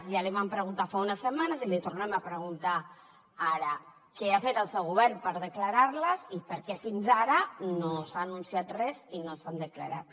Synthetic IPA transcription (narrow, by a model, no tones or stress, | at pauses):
ʒaliβ̞ampɾəɣunt̪afaunəsəmanəzilit̪urnɛməpɾəɣunt̪a | aɾə | kɛafet̪əlˠsɛwɣuβɛrnpəɾðəkləɾaɾləzipəɾkɛfinzaɾənosaːnunsiat̪rɛzinosand̪əklə̰ɾa̰t̪